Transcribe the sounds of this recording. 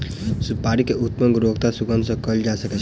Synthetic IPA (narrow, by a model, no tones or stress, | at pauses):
supaːɾikeut̪məŋɡɾoːɡt̪asuɡənsə̃kəld͡ʒaːsəkɛ